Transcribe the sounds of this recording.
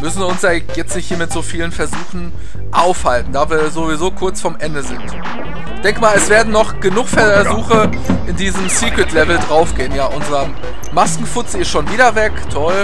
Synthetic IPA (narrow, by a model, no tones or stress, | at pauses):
mʏsn̩iːʊnsjaː | jɛt͡stnɪçthiːɐmɪtz̥oːfiːlənfɛɐzuːxn̩ | ʔaʊfhaltn̩daːviːɐzovizoːkʰʊɐt͡sfɔmʔɛndəzɪnt | ɪçd̥ɛŋkəmaːlɛsv̥eːɐdn̩ːɔχɡ̥ənʊχfɛɐɐzuːxə | ʔɪndiːzəmsiːkw̥ɪtlɛvl̩dʁaʊfɡ̥eːənjaːʔʊnzəʁɐ | maskŋ̩fʊt͡sɪɪstʃoːnviːdɐvɛktʰɔl